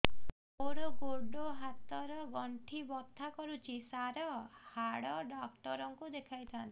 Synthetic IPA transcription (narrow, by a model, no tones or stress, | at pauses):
oɾokoɖoɦat̪ɔɾɔɡɔɳʈʰibɔt̪ʰːakɔɾut͡ʃʰisaɾɔhaɽɔɖɔk̚ʈɔɾɔŋkud̪ekʰajt̪ʰant̪i